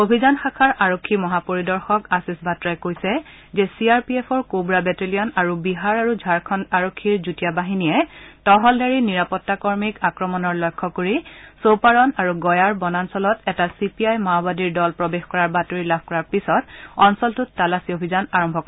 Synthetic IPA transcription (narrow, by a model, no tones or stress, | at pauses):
obʱizanxakʰaɹʔaɹokʰːimɔɦapoɹidɔɹxɔkasisbʱatɹajkojsɛ | zɛsiaɹpiɛpʰɔɹkobɹabɛtelijɔnaɹubiɦaɹaɹud͡ʒʱaɹkʰɔnaɹokʰːiɹzutijabaɦiniɛtɔɦɔldaɹiniɹapɔtːakɔɹmikakɹɔmɔnɔɹlɔjkʰːɔkoɹisopaɹɔnaɹuɡɔjaɹbɔnansɔlɔtɛtasipiajmawbadiɹdɔlpɹɔbexkɔɹaɹbatoɹilab̚ʱkɔɹaɹpisɔtɔnsɔltʊtːalasiobʱizanaɹɔmbʱɔkɔ